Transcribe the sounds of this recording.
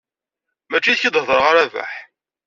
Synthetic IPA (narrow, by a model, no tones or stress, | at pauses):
mæt͡ʃːiθçid̪ˤhðˤəɾʁaɾævæ̰ħ